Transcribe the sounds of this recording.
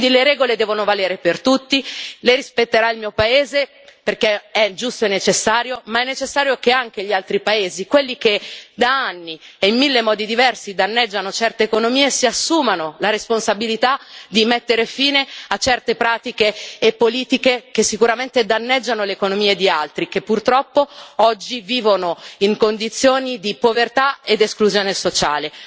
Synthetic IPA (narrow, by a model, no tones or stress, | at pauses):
nd̪ileɾɛːɡoled̪ɛːvonovaleːɾepert̪ut̪ːileɾispet̪ːeɾailmiːopaeːze | perkeɛd͡ʒust̪oenːet͡ʃesːaːɾjomaɛnːet͡ʃesːaːɾjokeaŋk̟eʎialt̪ɾipaeːzikwelːik̟ed̪aanːieimːilːemɔːd̪id̪ivɛrsid̪anːɛd͡ʒːanot͡ʃɛrt̪eːkonomiːesiasːuːmanolaɾesponsabilit̪ad̪imet̪ːeɾefiːneat͡ʃɛrt̪epɾaːt̪ikeːpːoliːt̪ikek̟esːikuɾament̪ed̪anːed͡ʒːanoleːkonomiːed̪ialt̪ɾik̟epːurt̪ɾɔpːoɔd͡ʒːiviːvonoiŋkond̪it̪sːjoːnid̪ipovert̪aed̪eskluzjoːnesot͡ʃa̰ːle